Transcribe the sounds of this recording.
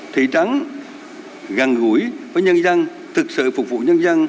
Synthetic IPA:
t̪ʰḭ˧˩t͡ɕa˨˦n | ɣa˨˩nɣu˧˩əjvəː˨˦jɲə˧nza˧ŋ | t̪ʰɨ˨˩k̚sɨ̰˧˨fʊ˨˩k͡p̚vṵ˧˨ɲə˧nza˧ŋ

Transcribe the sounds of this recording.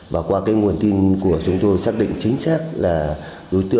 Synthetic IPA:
vaː˨˩kwaː˧kaː˨˦jŋu˨˩ənt̪i˧nku˧˩ət͡ɕʊ˨˦ŋ͡mt̪o˧jsaː˦˥k̚ɗḭ˧˨ŋt͡ɕï˨˦ŋ̟saː˦˥k̚laː˨˩ | ɗo˨˦jt̪ɨ̰˧˨

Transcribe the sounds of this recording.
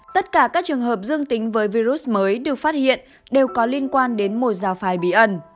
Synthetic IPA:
t̪ə˦˥t̚kaː˧˩kaː˦˥k̚t͡ɕɨ˨˩əŋɦəː˨˩p̚zɨ˧əŋt̪ï˨˦ŋ̟vəː˨˦jvi˧zu˦˥s̚məː˨˦jɗɨ˨˩ək̚faː˦˥t̚hḭ˧˨ən | ɗe˨˩wkɔ˨˦li˧ənkwaː˧nɗe˨˦nmo˨˩t̚zaː˨˩wfaː˨˩jɓḭ˧˩ʔə˧˩n

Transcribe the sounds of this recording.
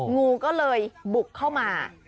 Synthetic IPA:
ŋuː˧kɔː˥˩lɤː˧jbu˨˩kʰːa˥˩wmaː˧

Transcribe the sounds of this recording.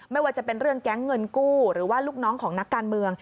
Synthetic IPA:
ma˥˩jwaː˥˩t͡ɕa˨˩pe˧nɾɯ˥˩əŋkɛ˦˥ŋːɤ˧nkuː˥˩ɾɯː˩˦waː˥˩luː˥˩k̚nɔː˦˥ŋkʰɔː˩˦ŋna˦˥kːaː˧nmɯ˧əŋ

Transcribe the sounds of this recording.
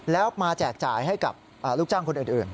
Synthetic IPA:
lɛː˦˥wmaː˧t͡ɕɛː˨˩k̚t͡ɕa̰ː˨˩jɦa˥˩jka˨˩p̚ | ʔaː˨˩luː˥˩k̚t͡ɕaː˥˩ŋkʰo˧nʔɯː˨˩nʔɯː˨˩n

